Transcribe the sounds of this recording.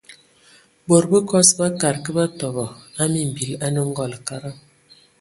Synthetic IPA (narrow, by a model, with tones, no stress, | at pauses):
bo˨ɾbə˦kɔ˦sba˦ka˨ɾkə˦ba˦tɔ˨bɔ˨a˦mi˨m̩˨bi˨la˦nə˦ŋ̩˦ɡɔ˦˨lka˦ɾa˦